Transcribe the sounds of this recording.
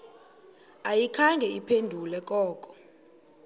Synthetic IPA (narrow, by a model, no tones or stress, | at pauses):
ajikʰaŋɡʱɛipʰendʱulɛk̬ʼɔːkʼɔ̥